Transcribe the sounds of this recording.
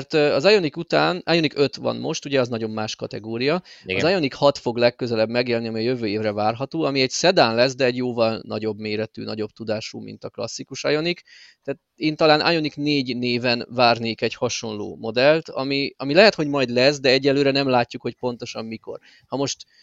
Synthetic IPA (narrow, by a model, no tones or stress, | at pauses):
ɛrt̪ɒzajo̞nikut̪aːnajo̞nikø̞t̪vɒ̰nmo̞̰ʃt̪uɟɛɒznɒɟo̞mːaːʃkɒt̪ɛɡoːɾijɒɒzajo̞nikhɒt̪fo̞ɡlɛkːøzɛlɛbmɛɡeːlniɒmiɒjøvøːeːvrɛvaːrɦɒt̪oːɒmiɛɟsɛd̪aːnlɛs̬d̪ɛɛɟjoːvɒlnɒ̰ɟo̞bmeːɾɛt̪y̰ːnɒɟo̞bt̪ud̪aːʃṵmḭnt̪ɒklɒ̰sːikuʃɒ̰jo̞nik | t̪ɛːt̪eːnt̪ɒlaːnʔa̰jo̞nikneːɟneːvɛnvaːrneːkɛɟhɒʃo̞nlo̰ːmo̞d̪ɛlt̪ɒ̰miɒmilɛɦɛt̪ho̞ɟmɒjd̪lɛsd̪ɛɛɟːɛlːøːɾɛnɛmlaːcːukho̞c̚po̞n̪t̪o̞ʃɒmːmiko̞̰r | hɒmo̞ʃt̪